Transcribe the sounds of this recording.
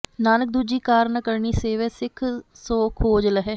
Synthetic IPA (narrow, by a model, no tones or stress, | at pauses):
naːnək̚d̪uːd͡ʒiːkaːɾnəkəɾɳiːseːʋeːsɪkʰ | soːkʰoːd͡ʒləɦɛː